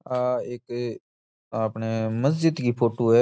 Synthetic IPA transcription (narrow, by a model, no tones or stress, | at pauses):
aːeːk | aːpneːməs̬d͡ʒɪd̪kiːpʰoːʈoːɦɛː